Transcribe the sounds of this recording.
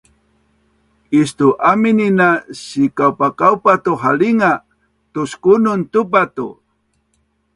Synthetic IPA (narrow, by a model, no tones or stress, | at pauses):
istuʔamininasikawpakawpatuɦaliŋa | tuskununt̪upat̪ṵ